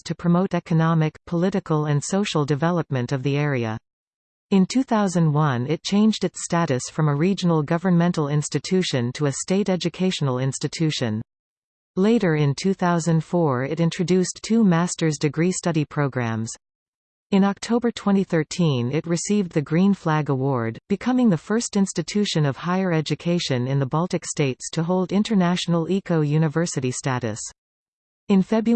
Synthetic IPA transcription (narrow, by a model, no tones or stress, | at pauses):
tʰɨpʰɹ̥ɨmoʊɾɛkɨnɑmɨkpʰəlɪɾɨkl̩ˠɨ̃nsoʊʃl̩ˠdɨvɛlˠəp̚mɨ̃ntʌvðiɛɹiɨ̰ | ɨ̃ntʰʉθaʊzɨ̃nd̚wʌ̃nɪt̚t͡ʃʰẽɪ̃nd͡ʒdɨtstæɾɨsfɹʌ̃məɹid͡ʒɨn̩l̩ˠɡʌvə˞nmɛ̃ntˡl̩ˠɪ̃nstɨtʰʉʃɨ̃ntʰəɨsteɪɾɛd͡ʒɨkʰeɪʃn̩l̩ˠɪ̃nstɨtʰʉʃɨ̃n | leɪɾə˞ɪ̃ntʰʉθaʊzɨ̃nd̥fɔɹɪɾɪ̃nt͡ʃɹ̥ɨdʉstʰʉmæstə˞zdɨɡɹistʌɾipʰɹ̥oʊɡɹæ̰̃mz̥ | ɨ̃nɑk̚tʰoʊbə˞tʰw̥ɛ̃ɾ̃iθɜ˞tʰĩnɪt̚ɹɨsivðɨɡɹĩnflæɡəwɔɹd̚b̥ɨkʰʌmɪ̃ŋðɨfɜ˞stɪ̃nstɨtʰʉʃɨ̃nʌv̥haɪə˞ɛd͡ʒɨkʰeɪʃɨ̃nɨ̃nðəbɑlˠtɨksteɪtstʰɨɦoʊlˠdɪ̃ntə˞næʃn̩l̩ˠikʰoʊjʉnɨvɜ˞sɨɾistæɾɨ̰s | ɨ̃nfɛbɹ